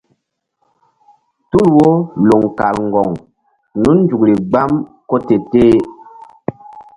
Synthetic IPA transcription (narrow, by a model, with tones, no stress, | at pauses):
tu˦˨lwo˦lo˨ŋka˨lŋ˨ɡɔ˨ŋ | nu˦n˦d͡ʒu˨kli˨ɡ͡ba˦m | kɔ˦te˨teː˦